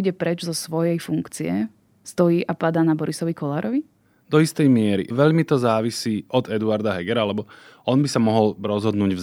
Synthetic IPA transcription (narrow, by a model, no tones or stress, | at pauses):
ɟɛpɾɛd͡ʒzɔsʋɔjɛjfuŋkt͡siɛ̰ | st̪ɔjiːʔapad̪aːnabɔɾisɔʋikɔlaːɾɔʋi | d̪̥ɔist̪ɛjmɪɛɾḭʋɛʎmit̪ɔzaːʋisiːʔɔd̪ɛd̪uaɾd̪aɦɛɡɛɾaalɛbɔ | ɔnbisamɔɦɔlɾɔzɦɔd̪nuːɟv